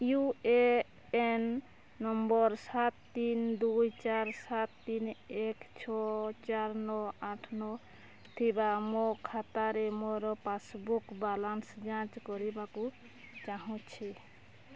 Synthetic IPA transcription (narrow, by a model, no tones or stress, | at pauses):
jue | ɛnː | ɔmbɔɾsat̪ːind̪ujt͡ʃaɾsat̪ːinɛkt͡ʃʰɔt͡ʃaɾnɔaʈʰnɔ | t̪ʰibamɔkʰat̪aɾɛmɔɾɔpasbukbalansd͡ʒãt͡ʃkɔɾibaku | t͡ʃaɦɔ̃t͡ʃʰi